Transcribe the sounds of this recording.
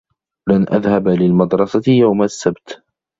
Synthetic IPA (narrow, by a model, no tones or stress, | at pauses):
lanʔa̰ðhabalɪlmɑd̪ɾˤɑsaɪjawmasːabt̪